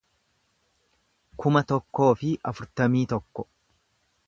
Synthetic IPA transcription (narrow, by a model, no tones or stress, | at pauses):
kʊmɐt̪ɔkːo̞ːfɪɐfʊɾt̪ɐmiːt̪ɔkːɔ̥